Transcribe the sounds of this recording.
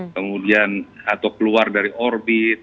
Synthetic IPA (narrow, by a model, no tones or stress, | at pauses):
kəmudianat̪awkəluardaɾiʔɔrbɪt̪̚